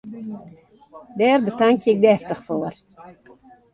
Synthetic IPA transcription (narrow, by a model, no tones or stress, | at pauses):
dɛːrbətaŋkɪk̚dɛftəχfoːr